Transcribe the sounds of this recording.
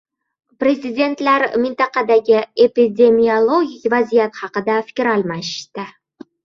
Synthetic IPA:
pɾʲe̞zʲɪd̪ʲe̞nt̪læɾmɪnt̪ɑqɑd̪aɡʲɪepid̪ʲe̞miolˠoɡʲikʲvazijat̪χɑqɨd̪afɪ̥kʲɾɑlˠmɑʃt̪ɪ

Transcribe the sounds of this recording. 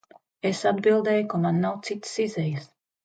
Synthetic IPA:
esad̪bilˠd̪eːjukamanːawt̪sit̪sizɛjɨs

